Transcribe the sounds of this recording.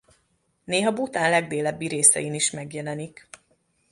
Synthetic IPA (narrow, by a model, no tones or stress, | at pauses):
neːɦɒbut̪aːnlɛɡ̚d̪eːlɛbːiɾeːsɛ̰jiniʃmɛɡjɛlɛnik